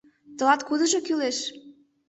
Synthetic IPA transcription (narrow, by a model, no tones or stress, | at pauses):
t̪ɤ̆lɑt̪kud̪ə̆ʒokyleʃ